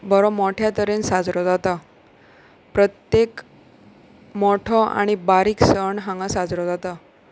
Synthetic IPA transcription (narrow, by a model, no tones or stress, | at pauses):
bəɾomoʈʰjat̪əɾensad͡zɾɔd͡zat̪a | pɾət̪jek | moʈʰɔa̰ɽ̃ibaɾiːksəɳɦãŋɡasad͡zɾɔd͡zat̪a